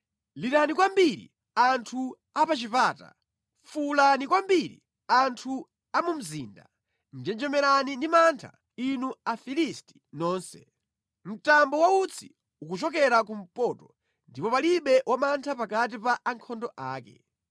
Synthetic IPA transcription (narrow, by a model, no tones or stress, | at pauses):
liɾanikwambiɾḭ | antʰu | apat͡ʃipaːta̰ | fulanikwambiɾḭ | antʰu | amum̩ziːnda̰ | nd͡ʒɛnd͡ʒɛmɛɾanindimantʰa̰ | inuafilisti̥nɔːnsɛ | m̩tambɔwaut͡sʰi̥ | ukut͡ʃɔkɛɾakum̩pɔːtɔ | ndipɔpaliɓɛwamantʰapakat̬ipaʔːŋkʰɔndɔʔaːkɛ̰